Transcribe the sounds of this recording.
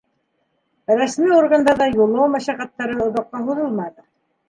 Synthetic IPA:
ɾæsmiorɡand̪ɑɾðɑjulˠowmæʃæqæt̪ːæɾɤŏðɑqːɑɦuðɤlˠmɑðɤ

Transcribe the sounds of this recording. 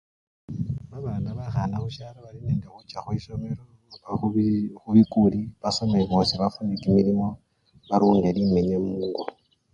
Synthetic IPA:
βaβalanaβaxanaxuʃalaβalineːndexut͡ʃaxwisome̞ɾo | axuβikuliβasomaiβosiβafundikimilimo̞ | βaɾuːŋɡelimeɲemuŋɡo

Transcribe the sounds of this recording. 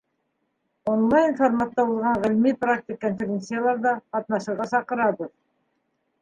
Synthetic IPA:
onlˠajnformat̪ːɑbolˠʁɑɴʁɪlmiprak̚t̪ikːonfʲeɾʲent̪sɨjalˠɑɾd̪ɑqɑt̪nɑʃəʁɑsɑqəɾɑd̪əð

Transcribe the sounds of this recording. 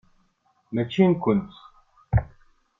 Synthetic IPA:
mæt͡ʃinkʊnt̪

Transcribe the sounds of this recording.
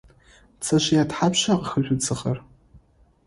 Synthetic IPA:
t͡sʰaʃʷjatħapʰʃaqʼxəʒᶣʷʊt͡sʰɨχɐr

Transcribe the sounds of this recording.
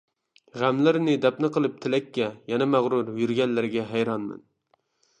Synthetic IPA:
ʁæmlɪɾnɪd̪ɛpnɨqəlˠɨp̚t̪ʰɪlɛkʲːɛjɛnɛmæʁɾuɾjyɾɡʲɛnlɪɾɡʲɛɦæjɾɑnmɪ̰n

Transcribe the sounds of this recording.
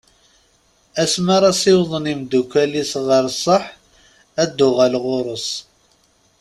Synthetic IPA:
æsmaɾˤɑsɪwðˤənimd̪ukʷːælisʁəɾsˤːəħ | æd̪ːʊʁælʁʊɾˤəs

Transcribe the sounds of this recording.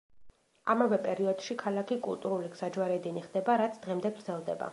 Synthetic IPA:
amavɛpʼɛɾiɔd̪̥ʃikʰalˠakʰikʼṵlˠt̪ʼuɾuliɡz̥ad͡ʒwaɾɛd̪ɛniχd̪ɛbaɾat̪sʰd̪ʁɛmd̪ɛɡɾd̪zɛlˠd̪ɛ̰ba̰

